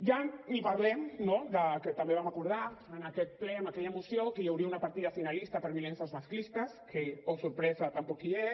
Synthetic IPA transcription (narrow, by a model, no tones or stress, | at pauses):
ʒanipaɾlɛmnod̪əket̪ambeβamakuɾð̞aənakɛt̪̚plɛamakɛʎaemusjokeewɾiunapaɾt̪iðafinalist̪apəɾβilensazmasklist̪askeowsuɾpɾɛzat̪ampokie